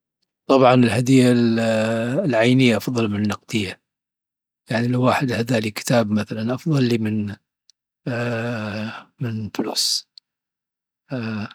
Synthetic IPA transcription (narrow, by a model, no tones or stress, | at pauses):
t̪ˤɑbʕɑnɪlhad̪ɪjːal | lʕajnɪjːaʔɑfðˤɑlmɪnnːɑq̚d̪ɨjːa | jaʕnilawwaːħɪd̪had̪aːlikɪ̥t̪aːbmaθalanʔɑfðˤɑlːimɪn | mɪnfluːs